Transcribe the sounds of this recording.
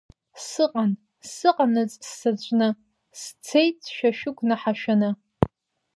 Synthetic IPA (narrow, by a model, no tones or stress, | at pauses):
sɨqʼan | sɨqʼanɨzʼsːat͡ɕʷʼnɨ | st͡sʰejt͡sʰʃᶣaʃᶣʊkʷʼnaħaʃᶣanɨ